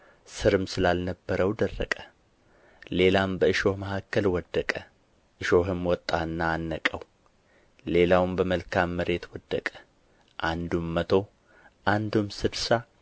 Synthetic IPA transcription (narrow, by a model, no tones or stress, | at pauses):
sɨɾɨmsɨlalnəbːəɾəwd̪ərːə̰kʼə | le̞lambəɨʃo̞hməhakːəlwɔd̪ːəkʼə | ʔɨʃoɦɨmwɔt̪ʼːaɨnːaːnːəkʼəw | le̞lawmbəməlkʰamːəɾe̞t̪wɔd̪ːəkʼə̥ | ʔand̪umːət̪ʰo̞ | ʔand̪umsɨd̪sa